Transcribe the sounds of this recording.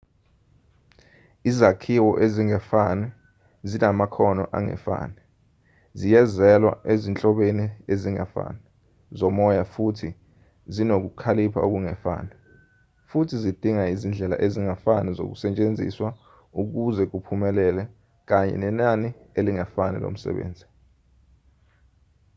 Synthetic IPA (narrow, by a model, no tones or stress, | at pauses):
izakʰiwɔʔeziŋɛfanɛ | zinamakʰɔnɔ̰ʔa̰ŋɛ̰fa̰ːnɛ | zijɛzɛlwa̰ʔezint͡ɬʼɔɓenieziŋɛ̰fa̰nɛ | zɔmɔjafutʰi | zinok̬ukʰalipʰa̰uk̬uŋɛfa̰ːnɛ | futʰizid̥ʱiŋaizind͡ɮʱɛla̰ʔeziŋafanɛzo̰k̬usɛt͡ʃʼend͡zʱḭswa | uk̬uzɛk̬upʰumɛlɛlɛ | k̬aɲɛ̰nɛnanieliŋɛfanɛ̰lo̰m̩sɛ̰ɓḛːnd͡zʱi̥